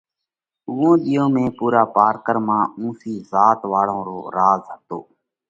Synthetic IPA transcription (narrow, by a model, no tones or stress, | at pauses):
ʊːõːɗ̪ɪjõːmẽːpuːɾaːpaːɾkəɾmãːũːsiːzaːt̪ʋaːɭõːɾoːɾaːzɦət̪oː